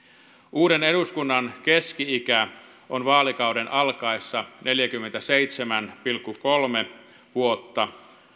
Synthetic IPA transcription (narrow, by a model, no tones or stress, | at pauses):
ʔuːɾeneɾuskunːɑnkeskiikæ | ʔonʋɑːlikɑudenʔɑlkɑesːɑne̞ljækymːent̪æseit̪semænpilkːukolme | ʋuot̪ːɑ